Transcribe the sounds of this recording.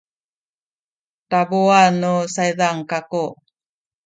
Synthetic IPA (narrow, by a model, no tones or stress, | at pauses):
taboanusajdaŋkako